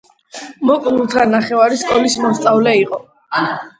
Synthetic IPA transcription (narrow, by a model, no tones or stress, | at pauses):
mɔkʼnulˠt̪ʰanaχɛvaɾiskʼɔlismɔst̪sʼavlɛiqʼɔ